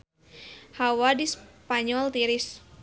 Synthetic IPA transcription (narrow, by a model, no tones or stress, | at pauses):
hawadispaɲɔlt̪iɾɪs